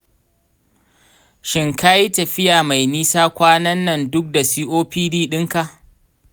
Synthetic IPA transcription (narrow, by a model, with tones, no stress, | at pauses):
ʃɪ˦ŋka˦ji˦tɐ˨ɸɪ˦jaː˨ma˨jniː˦saː˦kʷaː˦nɐ˦nːɐ˨ndʊ˦k̚da˨si˦ʔoː˦piː˦diː˦ɗɪ˦ŋka˨ʔ